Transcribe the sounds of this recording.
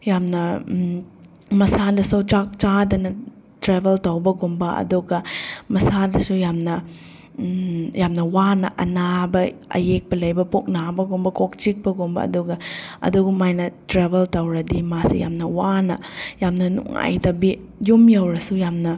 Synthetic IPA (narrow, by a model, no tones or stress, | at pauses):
jamnɐ | mɐsadɐsɐwt͡ʃak̚t͡ʃadɐnɐ | tɾebeltowbɐɡombɐɐ̰duɡɐmɐsadɐsujamnɐ | jamnɐwanɐʔɐnabɐɐ̰jek̚pɐlɐjbɐpok̚nabɐɡumbɐkok̚t͡ʃik̚bɐɡombɐ̰ɐ̰duɡɐɐ̰duɡumajnɐtɾebeltɐwɾɐdimasḭja̰mnɐwanɐ̰jamnɐnṵŋa̰jtɐbi | jumjɐwɾɐsujamnɐ